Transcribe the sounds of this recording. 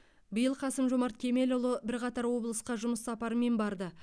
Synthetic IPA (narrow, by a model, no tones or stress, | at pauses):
bəjəlˠqʰɑsəmʒomɑɾt̪̚kʲʰe̞me̞lolˠəbɪɾqɑt̪ɑɾwo̞blˠəsqɑʒʊməsːɑpɑɾəme̞nbɑɾd̪ə